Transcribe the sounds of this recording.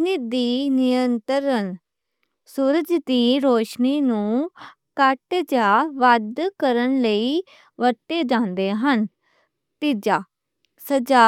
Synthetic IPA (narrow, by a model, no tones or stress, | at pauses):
nid̪iːnɪjənt̪əɾən | suːɾəd͡ʒt̪iːɾoːʃniːnũː | kəʈd͡ʒaːʋəd̪kəɾənləiː | ʋəʈːeːd͡ʒãːnd̪eːɦən | t̪id͡ʒaː | səd͡ʒaː